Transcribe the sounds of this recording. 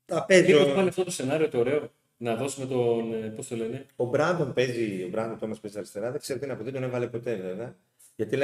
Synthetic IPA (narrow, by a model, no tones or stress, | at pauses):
t̪ɐpe̞zoɐneɐft̪ot̪ose̞nɐɾiot̪oːɾe̞o̞ | nɐðo̞sume̞t̪onpo̞st̪o̞le̞ne̞o̞bɾɐnd̪o̞mpe̞zio̞bɾɐnd̪ot̪omɐspe̞ziɐɾist̪e̞ɾɐðeɡ̥kseɾot̪ineɐpot̪et̪onevɐle̞po̞t̪e̞ve̞veɐ | ʝɐt̪ile